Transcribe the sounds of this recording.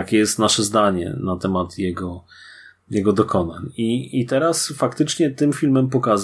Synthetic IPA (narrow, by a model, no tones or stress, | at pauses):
akʲɛjɛst̪naʂɛzd̪aɲɛ̰nat̪ɛmat̪jɛɡɔ | jɛɡɔd̪ɔkɔna̰ɲiit̪ɛɾasfakt̪ɘt͡ʂɲɛt̪ɘmfʲilmɛmpɔkaz